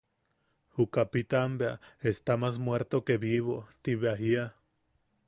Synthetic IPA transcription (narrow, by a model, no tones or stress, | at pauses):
hukapit̪ambeaest̪amasmweɾt̪okeβiβot̪iβeaɦia